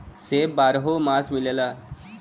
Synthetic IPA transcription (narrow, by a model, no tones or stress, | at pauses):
seːbbaːɾɦomaːsmilela